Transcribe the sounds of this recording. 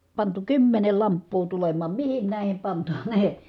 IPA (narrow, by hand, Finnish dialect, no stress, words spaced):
pɑntu kymːenel lɑmpːuː tulemˑɑːm mihin næˑi̯hem pɑntɑneː